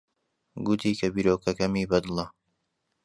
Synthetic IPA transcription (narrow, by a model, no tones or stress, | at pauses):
ɡʊt̪ʰiːkʰɐbiːɾoːkʰɐkɐmiːbɐd̪ɨlˠɐ